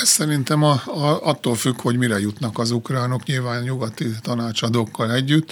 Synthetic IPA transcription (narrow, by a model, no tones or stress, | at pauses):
ɛssɛɾint̪ɛmɒɒt̪ːoːlfykho̞ɟmiɾɛjut̪nɒkɒzukraːno̞kɲilvaːnɲuɡɒt̪it̪ɒnaːt͡ʃɒd̪okːɒlɛɟːyt̪ː